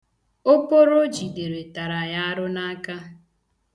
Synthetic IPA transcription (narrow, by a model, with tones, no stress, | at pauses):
o˦po˦ɾo˦d͡ʒi˨de˨ɾe˨ta˨ɾa˨ja˦a˦ɾʊ˦na˦ka˦